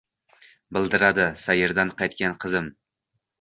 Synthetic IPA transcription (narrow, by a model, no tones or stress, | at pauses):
bɪlˠd̪ɪɾad̪ɪsajɪɾd̪anqʰɑjt̪̚kʲanqʰɨzɪm